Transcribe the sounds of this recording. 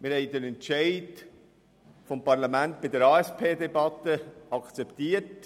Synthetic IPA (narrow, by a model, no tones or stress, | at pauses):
mɪɾhɛɪdəɾɛntt͡ʃæɪd | fɔmpɑɾlɑmæntbɪdəɾɑːɛspʰeːdebɑt̪əɑkt͡sɛpt̪iːət